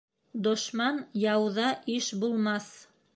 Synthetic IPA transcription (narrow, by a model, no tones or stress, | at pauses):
d̪ŏʃmɑnjɑwðɑʔiʃbulˠmɑθ